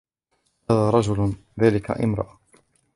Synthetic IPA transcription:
haːðaːɾˤɑd͡ʒʊlðaːlɪka̰ʔɪ̰mɾˤɑ̰ʔa

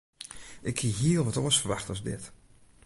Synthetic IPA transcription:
ʔɪkʰːiɦiəlˠʋɔtoəsfərʋaxtɔzdɪ̰t

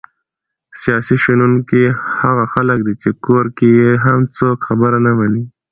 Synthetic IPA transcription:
sjɑsiʃanunkihaɣaxaləkd̪it͡ʃekoɾkejeɦamt͡sokxabəɾanamani

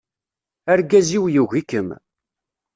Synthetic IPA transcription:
əɾɡæziwjuʝikːəm

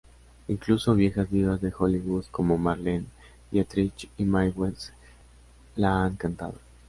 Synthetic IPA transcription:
iŋkluso̞βje̞xazβiðazðe̞xoliɣuðkomo̞maɾlin | jat̪ɾit͡ʃimajwes | laaŋkant̪a̰ð̞o

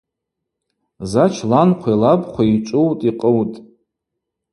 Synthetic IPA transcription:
zat͡ʃʰlanqʷʰajlabχʷʰait͡ʃʷʼʊwtʼiqʼəwtʼ

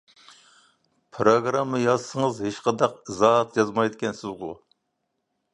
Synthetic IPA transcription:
pʰɾoɡɾɑmːəjɑzsəŋəzhet͡ʃqɑnd̪ɑqzɑt̪jɑzmɑjd̪ɪkʲʰɛnsɪzʁʊ̰

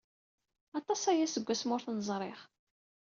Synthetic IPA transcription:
ɑt̪ˤɑsæjæsəɡʷːæsmʊɾθnəzˤɾˤeχ

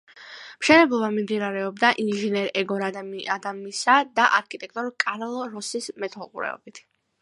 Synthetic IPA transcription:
mʃɛnɛblˠɔbamimd̪inaɾɛɔbd̪aʔinʒinɛɾɛɡɔɾad̪amiad̪amisad̪aʔaɾkʰʼit̪ʼɛk̚t̪ʼɔɾkʼaɾlˠɔɾɔsismɛt̪ʰɔlˠqʼuɾɛ̰ɔ̰bit̪ʰ

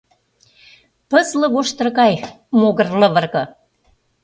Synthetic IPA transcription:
pə̆zlɤ̆ɣoʃt̪ə̆rɣɑj | moɣə̆rlɤ̆βə̆rɣɤ̆

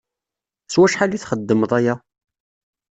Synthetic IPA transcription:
swæʃħaliθχəd̪ːəməðˤæjæ

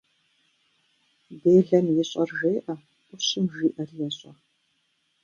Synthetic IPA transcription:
beːɮɐmjɛɕʼɐrʒeːʔɐ | ʔʷʼʊɕɪmʒiːʔɐrjɛɕʼɐ

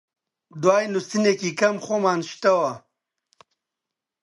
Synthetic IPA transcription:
d̪waːjnust̪inekikɐmxomaːnɕt̪ɐwa

